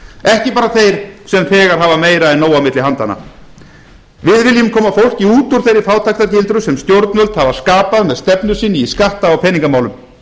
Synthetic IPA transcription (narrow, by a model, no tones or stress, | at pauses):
ɛhcɪpaːɾaθejɾ̥sɛmfɛːɣaɾ̥ɦaːvameːjɾaɛnːoːwamɪt̪lɪɦant̪anːa̰ | vɪðvɪljʏmkʰɔːmafowl̥ciuːt̪ʊɾ̥θejɾɪfaːwt̪ʰajkt̪aɾcɪlt̪ɾʏsɛmst̪jowɾt̪nvœlt̪havḁskaːpaðmɛðst̪ɛpn̪ʏsiːnːɪiskaht̪aawpʰɛːniŋkamaːwlʏm